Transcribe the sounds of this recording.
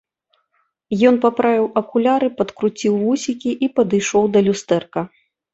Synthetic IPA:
jɔnpapɾavʲiwʔɐkulʲaɾɨpɐt̪kɾut͡sʲiwːusʲikʲiʔipɐd̪ɨjʂɔwd̪ɐlʲust̪ɛrkɐ

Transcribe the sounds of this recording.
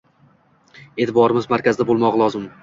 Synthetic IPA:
e̞t̪ʰɪbɒɾɪmɪzmaɾkʲazɪd̪abolˠmɒʁlˠɒzɪm

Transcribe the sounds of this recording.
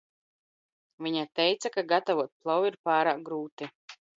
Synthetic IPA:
vʲiɲat̪ɛjt̪sakaɡat̪avuɔt̪̚plˠɔwiɾpaːɾaːk̚ɡɾuːt̪i

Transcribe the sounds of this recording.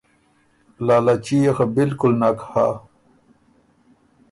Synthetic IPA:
laːlat͡ɕijexabilkulnakha̰

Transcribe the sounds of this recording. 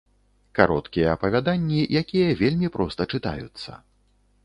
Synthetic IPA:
kaɾɔt̪kʲijɐɐpɐvʲad̪anʲːijʔakʲijɐvʲelʲmʲipɾʔɔst̪ɐt͡ʂɨt̪a̰jut̪sːɐ̰

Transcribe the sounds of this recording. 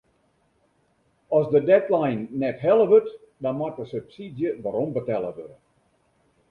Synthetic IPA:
ɔsdədɛtlajnːɛtɦɛlˠəʋøt | dɔnmatəsøpsidjəʋaɾombətɛlˠəʋødə

